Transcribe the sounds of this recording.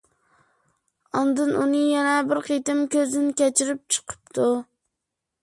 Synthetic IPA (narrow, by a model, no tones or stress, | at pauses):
ɑnd̪ɨnunɨŋjɛnɛbɪɾqijt̪ɪmkʲøzɪnɪkʲɛt͡ʃʰɪɾɪp̚t͡ʃʰɨ̥qʰɨ̥p̚t̪ʰu